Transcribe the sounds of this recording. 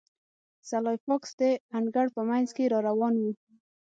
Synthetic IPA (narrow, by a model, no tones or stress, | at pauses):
salɑjfɑksd̪eaɳɡaɽpəmajnzkeɾɑɾawɑnwu